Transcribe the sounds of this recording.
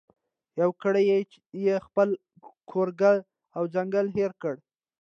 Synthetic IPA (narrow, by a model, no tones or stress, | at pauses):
jawkəɽəje | jexpəl | kʰoɾɡə | awd͡ʒaŋɡəlɦeɾkəɽ